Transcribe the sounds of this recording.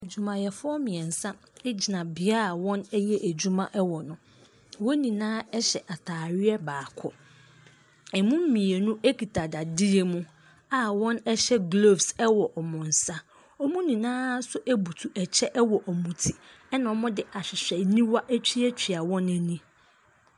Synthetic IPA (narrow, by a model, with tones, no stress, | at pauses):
e˨d͡ʑu˨mã˨jɛ˨fʊ˦ɔ˦mĩ˨ɛ̃˨n̩˨sã˦ | e˦d͡ʑi˨nã˨bɪ˨a˦a˨wɔ̃˦nɛ˦jɛ˦ʔæ˨d͡ʑu˦mã˦ʔɛ˦wɔ˨nʊ̃˨ | wɔ̃˦nĩ˨nãː˦ɛ˦ɕɛ˨ʔa˨tʰaː˨ɾɪ˦ɛ˦baː˨kʰɔ˦ | ɛ˨mũ˦m˦mĩ˨e˨nʊ̃˦ʔe˦kʰi˨tʰa˨da˨dɪ˦e˦mʊ̃˦ | a˨wɔ̃˦nɛ˦ɕɛ˦ɡlo˦˨fsɛ˦wɔ˨ʔɔ˨mʊ̃˨n̩˨sa˦ | ɔ˦mũ˦nĩ˨nãː˦sʊ˦ʔæ˦bu˨tʰu˨ʔɛ˨t͡ɕʰɛ˦ʔɛ˦wɔ˨ʔɔ˨mũ˨tʰi̥˨ | ɛ˦nã˨ɔ˨mʊ̃˦dɪ˦ʔa˨ɕᶣɪ˨ɕᶣɛ˨nĩ˦wa˦ʔæ˦t͡ɕʰᶣi˦æ˦t͡ɕᶣʰi˨a˨wɔ̃˦næ˨nĩ˦